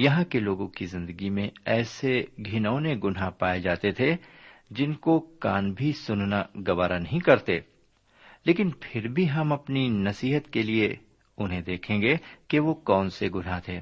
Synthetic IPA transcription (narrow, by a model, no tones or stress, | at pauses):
jɐɦãkeloːɡõkizɪ̃nd̪əɡimẽɛːseɡʱɪnəːneɡʊnɦapaːed͡ʒaːt̪et̪ʰed͡ʒɪnkokaːnbʱisʊnnaɡɐʋaːɾanɐɦĩkɐɾt̪eː | leːkɪnpʰɪɾbʱiɦɐmɐpninɐsiːɦət̪kelie | ʊnɦẽd̪eːkʰẽːŋɡekeʋokɔːnseɡʊnɦat̪ʰeː